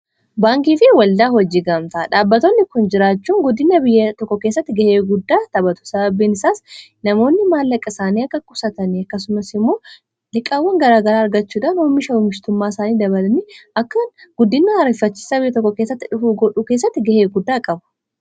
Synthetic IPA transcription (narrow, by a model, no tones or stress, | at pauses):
baːŋkiːfɪwɐld̪aːɦɔd͡ʒiːɡɐmt̪ɐᶑaːbːɐt̪oːnːɪkʊnd͡ʒɪɾaːt͡ʃːuːŋɡʊd̪ːɪnːɐbɪjːɐt̪ɔkːɔke̞ːsːɐt̪ːɪɡɐheːɡʊd̪ːaːt̪ɐbɐt̪ʊ̥sɐbɐbːiːnɪsaːsnɐmo̞ːnːɪmaːlːɐkʼːɐsaːniːɐkːɐkʼʊsɐt̪ɐniɐkːɐsʊmɐsɪmːo̞ː | lɪkʼaːwːɐŋɡɐɾaːɡɐɾaːɐɾɡɐt͡ʃːuːᶑaːnomːɪʃɐʊmɪʃt̪ʊmːaːɪsaːniːd̪ɐbɐlɐniɐkːɐnɡʊd̪ːɪnːɐɐɾɪfɐt͡ʃːɪ̥ːsɐbɪjːɐt̪ɔkːɔkeːsːɐt̪ːɪᶑʊfuːɡɔᶑuːkeːs̬ːɐt̪ːɪɡɐheːɡʊd̪ːaːkʼɐbʊ̥